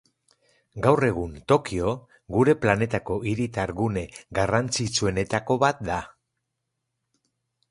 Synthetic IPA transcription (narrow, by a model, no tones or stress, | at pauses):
ɡawre̞ɣ̞unt̪o̞kio̞ | ɡuɾe̞plane̞t̪ako̞ʔiɾit̪aɾɣune̞ɡarant͡sit͡sue̞ne̞t̪ako̞βat̪̚d̪a